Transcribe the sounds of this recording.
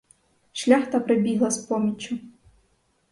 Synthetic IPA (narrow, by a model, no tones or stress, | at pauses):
ʃlʲaxt̪ɐpɾebʲiɦlˠɐspɔmʲit͡ʃʲʊ